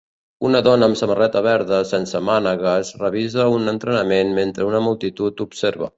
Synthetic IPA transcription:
unəðɔnəːmsəmərɛt̪əβɛɾðəsensəmanəɣazrəβizəunənt̪ɾənəmenment̪ɾəunəmulˠt̪it̪ut̪upseɾβə̰

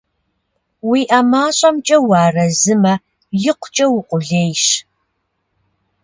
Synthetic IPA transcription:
wiːʔɐmaːɕʼɐmt͡ʃʼɐwɑːrɐzɨmɐ | jɪqʷʊ̥t͡ʃʼɐwʊqʷʼʊɮeːjʃ

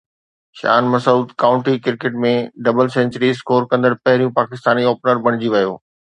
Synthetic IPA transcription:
ʃa̰ːnmɐsuːd̪kaːʊ̃ɳʈikɪɾkeʈ̚mẽɖɐbəlsɛ̃ːɲt͡ɕəɾiskoːɾkɐ̃nd̪əɽpɐɦɪɾijũpaːkɪst̪aːnioːpnəɾbɐɽ̃ɪd͡ʑiʋɐjo̰ː

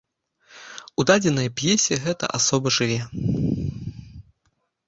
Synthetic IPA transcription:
ud̪ad͡zʲɛnɐjɐpʲjɛsʲiɛɣɛt̪ɐ̰ʔasɔbɨʐɨvʲɛ

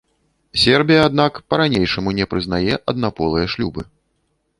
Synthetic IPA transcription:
sʲɛrbʲijɐad̪̚nakpɐɾanʲejʂɐmunʲɛpɾɨzn̪ajɛʔɐd̪napɔlˠɨjɐʂlʲubɨ

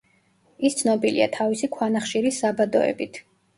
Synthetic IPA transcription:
ist̪sʰnɔbilḭa̰t̪ʰavisikʰwanaχʃiɾisːabad̪ɔ̰ɛ̰bit̪ʰ

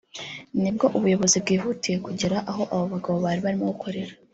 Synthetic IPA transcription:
nibɡo̞ʔuβujo̞βo̞zibɡiːɦutiekuɟiɾaʔaɦo̞ʔaβo̞βaɡaβo̞βaɾiβaɾimo̞ɡukʰo̞ɾe̞ɾḁ

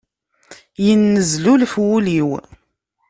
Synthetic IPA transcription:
jənːəzlulfwuliw

